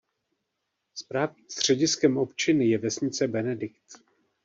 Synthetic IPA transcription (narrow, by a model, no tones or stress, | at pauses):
spɾaːvɲiːmst̪r̝̥ɛɟɪskɛmʔo̞pt͡ʃɪnɪjɛvɛsɲɪt͡sɛbɛnɛdɪkt̪